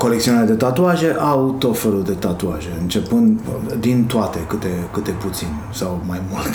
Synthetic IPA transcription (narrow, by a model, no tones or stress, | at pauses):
ko̞lek̚t̪sionaled̪e̞t̪at̪uaʒe̞ʔawt̪o̞t̪fe̞luld̪e̞t̪at̪uaʒe̞ɨnt͡ʃe̞pɨnd̪d̪int̪uat̪e̞kɨt̪e̞kɨt̪e̞put̪sin | sawmajmult̪